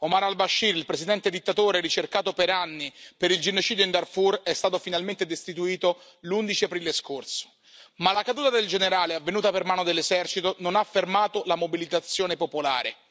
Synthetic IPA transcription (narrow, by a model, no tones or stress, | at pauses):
omaɾalbaʃːiɾilpɾesid̪ɛnt̪ed̪it̪ːat̪oːɾeɾit͡ʃerkaːt̪opeɾanːipeɾild͡ʒenot͡ʃiːd̪joind̪arfurɛst̪aːt̪ofinalment̪ed̪est̪it̪uiːt̪o | lund̪it͡ʃiapɾiːleskorso̥ | malakad̪uːt̪ad̪eld͡ʒeneɾaːleavːenuːt̪apermaːnod̪elːezɛrt͡ʃit̪ononafːermaːt̪olamobilit̪at̪sːjoːnepopola̰ːɾe